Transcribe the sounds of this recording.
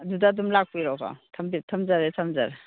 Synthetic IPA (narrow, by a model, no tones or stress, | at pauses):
dudadumlak̚pijɾɔkʰa̰tʰambitʰɐmzaɾetʰamza̰ɾ